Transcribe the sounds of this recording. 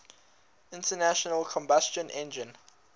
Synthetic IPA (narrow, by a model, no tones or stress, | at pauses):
ɪ̃ntənæʃənəlˠkʰɔ̃mbast͡ʃə̃nʔɛ̃nd͡ʒɪ̃n